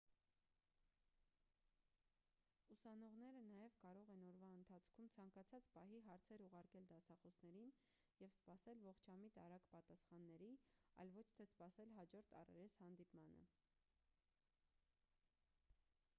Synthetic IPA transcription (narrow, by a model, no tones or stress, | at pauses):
usɑnɔʁnɛɾənɑjɛvkɑɾɔʁɛnɔɾvɑənt̪ʰɑt͡sʰkʰumt͡sʰɑŋkɑt͡sʰɑt͡spɑɦiɦɑɾt͡sʰɛɾuʁɑɾkɛld̪ɑsɑχɔsnɛɾin | jɛvspɑsɛlvɔχt͡ʃʰɑmit̪ɑɾɑkpɑt̪ɑsχɑnːɛɾiɑ̰jlvɔt͡ʃʰt̪ʰɛspɑsɛlɦɑd͡ʒɔɾt̪ʰɑ̰rɛ̰ɾɛshɑnd̪ipmɑnə̰